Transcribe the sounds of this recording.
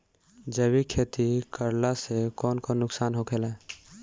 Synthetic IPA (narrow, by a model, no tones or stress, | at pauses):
d͡ʒəbikʰeːt̪ikəɾlasekɔːnkonʊksaːnɦokʰeːlaɛ